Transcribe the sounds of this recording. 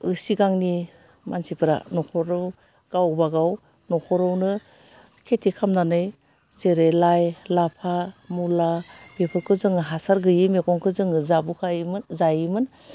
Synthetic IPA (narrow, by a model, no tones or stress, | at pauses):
ɯsiɡaŋni | mansipɯɾa̰nɔkʰɔɾɯw | ɡ̥awbaɡaw | nɔkʰɔɾɯwnɯ | kʰetʰikʰamnanɯj | seɾelajlapʰamulabepʰɯɾkʰɯzɯŋɯɦasaɾɡɯjimekɔŋkʰɯzɯŋɯzabukʰajmɯzajimɯn